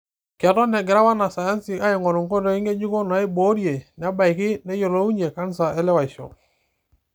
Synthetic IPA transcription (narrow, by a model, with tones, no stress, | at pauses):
ka˨tɔ˦nɛ˨ɡɪ˨ɾa˦wa˦na˨sa˨ja˦nsɪ˨a˦ɪ˨ŋɔ˨ɾu˨ŋko˦dɔ˨˦i˦ŋe˦ɲu˦ko˦na˨e˦bo˦ɾje˨n˨a˦ba˨jkɪ˦nɛ˦jo˨lo˦u˦ɲe˨ka˦nsa˨ɛ˦lɛ˦wa˨i˨ʃɔ̰˨